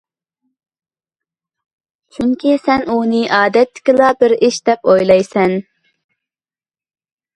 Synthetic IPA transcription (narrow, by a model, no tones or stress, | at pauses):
t͡ʃʰyŋkʲisɛnunɨʔɑːd̪ɛt̪ʰːɪ̥kʲilˠɑbɪɾɪʃd̪ɛpojlˠɑjsɛn